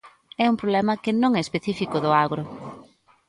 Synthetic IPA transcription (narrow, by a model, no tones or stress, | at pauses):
ɛumpɾoβlɛmɐkɪnõŋɛespeθifikʊðʊaɣɾʊ